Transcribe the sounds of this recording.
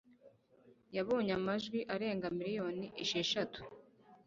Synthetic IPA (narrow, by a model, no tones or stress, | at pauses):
jaβo̞ːɲamaʒɡwiʔaɾe̞ːŋɡamiɾijo̞ːniʔeʃeʃatu̥